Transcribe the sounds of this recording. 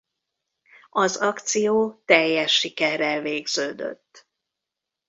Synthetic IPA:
ɒzɒkt̪sijoːt̪ɛjːɛʃːikɛrːɛlveːɡz̥øːd̪ø̰t̪ː

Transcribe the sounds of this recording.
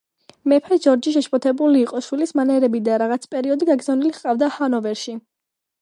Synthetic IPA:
mɛpʰɛd͡ʒɔɾd͡ʒiʃ̬ɛʃpʼɔt̪ʰɛbuliːqʼɔʃwilismanɛɾɛbid̪aɾaʁat̪sʰpʼɛɾiɔd̪iɡaɡɾzavniliχqʼavd̪ahanɔvɛɾʃi

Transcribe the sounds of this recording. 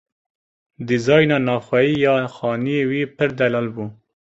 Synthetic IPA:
d̪əzɑjnanɑxwaijɑxɑniewipəɾd̪alɑlbu

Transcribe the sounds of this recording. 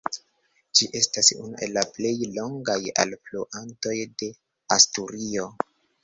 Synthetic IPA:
d͡ʒiʔe̞stasṵnuʔe̞lːaple̞jlo̞ŋɡaja̰lfloʔanto̞jde̞ | astuɾio̞

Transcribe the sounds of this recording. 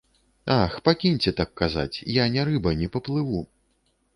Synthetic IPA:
axpakʲinʲt͡sʲɛt̪akːaza̰t͡sʲjanʲaɾɨbɐnʲɛpɐplˠɨvu

